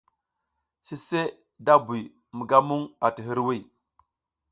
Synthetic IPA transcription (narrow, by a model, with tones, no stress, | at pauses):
si˦se˦ | da˦bu˨j | mə˨ɡa˦mu˦ŋa˨ti˨ɦi˦ɾwi˦˨